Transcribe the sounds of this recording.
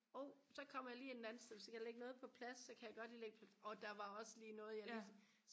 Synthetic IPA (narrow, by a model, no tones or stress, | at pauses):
ɒʊsɒ̽kʰɒ̽m̰ɐjɑ̈liːednæn̩steðˠʋesjkʰæjle̝ɡ̥ənɔ̽ːð̞̩ˠpʰɒ̽pʰlæsːɒ̽kʰæjaɡ̥ɒ̽d̥liːleɡ̥əpʰæɒ̽d̥ɑ̈ʋɑ̈ɒ̽səliːnɔ̽ːð̞̩ˠjɑ̈lis | s